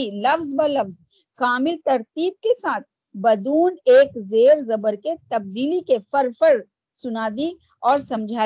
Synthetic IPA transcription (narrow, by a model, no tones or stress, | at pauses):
ilɐfzbalɐfz | kaːmɪlt̪ɐɾt̪iːb̚kesaːt̪̚ʰ | bɐd̪uːneːkzeːɾzɐbəɾket̪ɐb̚d̪iːlikefɐɾfəɾ | sʊnaːd̪i | ɔːɾsɐ̃md͡ʒʱaː